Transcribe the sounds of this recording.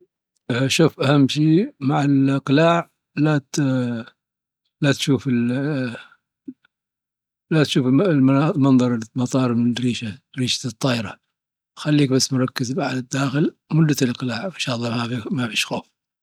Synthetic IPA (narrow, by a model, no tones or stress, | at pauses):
ʃuːfʔahamːʃiːmaʕɪlʔqlaːʕ | lat̪ | lat̪ʃuːfɪl | lat̪ʃuːflmɑnðˤɑɾˤmɑt̪ˤɑːɾˤmɪɾiːʃaɾiːʃḁt̪ˤːɑːʔɾˤɑ | xalːiːk̚basːmʊɾˤɑkːɪzmaʕlɪd̪ːaːxɪlmʊd̪ːalʔɑqlaːʕfaʃɑːlˤːɑmafimafiʃxoːf